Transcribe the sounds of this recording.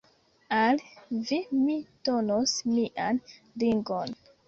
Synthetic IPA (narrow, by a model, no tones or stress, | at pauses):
alvimitonosmiʔan | liŋɡon